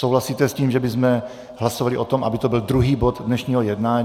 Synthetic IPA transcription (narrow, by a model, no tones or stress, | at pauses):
sowɦlasiːt̪ɛsciːmʒɛbɪzmɛ | ɦlasovalɪʔot̪omʔa̰bɪt̪obɪld̪ɾuɦiːbod̪dnɛʃɲiːɦojɛdnaːɲ